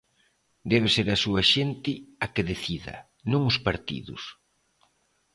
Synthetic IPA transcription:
d̪ɛβeseɾɐsuɐʃent̪ɪɐkeðeθiðɐ̰ | nõŋʊspaɾt̪ḭðʊ̰s

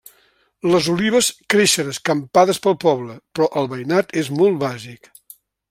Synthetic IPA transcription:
ləzuliβ̞əskɾeʃənəskəmpaðəspəlˠpɔβləpɾɔʔəlˠβəjnat̪ʰezmɔlˠt̪βazik

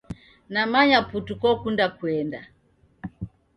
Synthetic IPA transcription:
namaɲaputukɔkundakuɛnda

